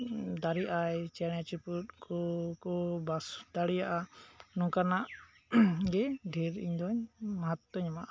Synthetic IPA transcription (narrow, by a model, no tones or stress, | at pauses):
d̪aɾiʔajt͡ʃɛɽ̃at͡ʃiput̪̚kʰɔkɔbasd̪̥aɽijaʔanɔ̃kanaʔ | ɡɛɖʱiɾḭɲd̪ɔɲmaɦat̪ɔɲɔmaʔ